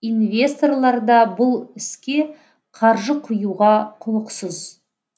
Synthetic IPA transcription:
invʲe̞st̪o̞rlˠɑɾd̪ɑbʊlˠɪskʲe̞ | qʰɑɾʒəqʰʊjuʁɑqʰʊlˠəqsəz

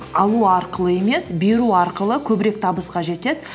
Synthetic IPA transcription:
ɑlˠuɑɾqəlˠəe̞me̞sbeɾuɑɾqəlˠəkʲʰɵbɪɾe̞k̚t̪ʰɑbəsqɑʒe̞t̪e̞d̪ɪ

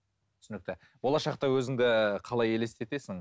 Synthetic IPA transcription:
tt̪ʰʏ̥sʏnɪkt̪ɪ | bo̞lˠɑʃɑq̚t̪ɑwɵzɪŋd̪ɪqʰɑlˠɑje̞le̞st̪e̞t̪e̞sɪŋ

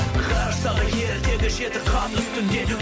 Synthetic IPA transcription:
qʰɑɾsɑʁɑje̞ɾd̪e̞ɡʲɪʒe̞t̪ɪqʰɑt̪ʊsk̪ʲʰʏnd̪e̞d̪ɪ

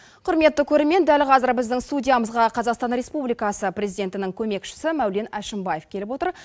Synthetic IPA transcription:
qʰʊɾme̞t̪ːɪkʲʰɵɾe̞ɾme̞nd̪ælqʰɑzəɾbɪzd̪ɪŋst̪udʲijaməzʁɑqʰɑzɑqst̪ɑnɾe̞spublijkɑsəprʲezijd̪ʲe̞nt̪ɪnɪŋkʲʰɵme̞kʃɪ̥sɪmæwle̞næʃɪmbɑje̞fkʲʰe̞lɪpwo̞t̪əɾ

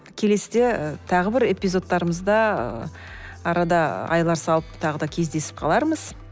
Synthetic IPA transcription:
kʲʰe̞le̞sɪd̪e̞t̪ʰɑʁəbɪɾe̞pijzo̞t̪ːɑɾəməzd̪ɑ̰ | ɑɾɑd̪ɑɑ̰jlˠɑɾsɑlˠəpt̪ʰɑʁəd̪ɑkʲʰe̞zd̪e̞sɪ̥p̚qʰɑlˠɑɾməz̥

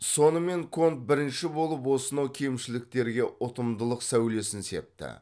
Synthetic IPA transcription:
so̞nəme̞ŋkʰo̞nt̪̚bɪɾɪnʃɪbo̞lˠəp̬wo̞sənokʲʰejmʃɪlɪk̚t̪e̞ɾɡʲe̞ʔʊt̪əmd̪əlˠəqsæwle̞sɪnse̞p̚t̪ɪ̰

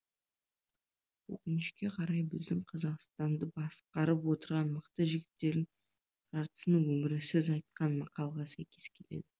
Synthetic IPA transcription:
wɵ̰kʲɪnɪʃkʲe̞qʰɑɾɑjbɪzd̪ɪŋqʰɑzɑqst̪ɑnd̪əbɑsqɑɾəpwo̞t̪əɾʁɑnməqt̪əʒɪɡʲɪt̪ːe̞ɾɪŋ | ʒ̥ɑɾt̪ə̥sənəŋwɵmɪɾɪsɪzɑjt̪̚qɑnmɑqɑlˠʁɑsæjkʲe̞skʲʰe̞le̞̰d̪ɪ

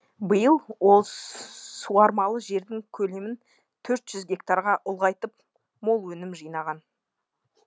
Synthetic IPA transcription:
bəjəlˠwo̞lˠsuɑɾmɑlˠəʒe̞ɾd̪ɪŋkʲʰɵle̞mɪn | t̪ʰɵɾt̪ʒ̥ʏzɡʲe̞kt̪aɾʁɑʔʊlˠʁɑjt̪əp̚ | mo̞lˠwɵnɪmʒijnɑʁɑn

